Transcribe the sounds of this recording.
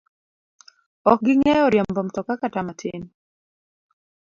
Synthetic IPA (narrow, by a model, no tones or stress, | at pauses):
ɔk̚ɡɪŋɛɔɾjambɔmtɔkakatamatʰɪ̰n